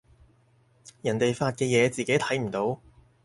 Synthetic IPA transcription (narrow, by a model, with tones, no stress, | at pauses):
jɐ˨˩nt̪e˨jfaː˧t̚kɛː˧jɛː˨˧t͡siː˨˩ke˨˥jt̪ʰɐ˨˥jm̩˨˩t̪o˨˥w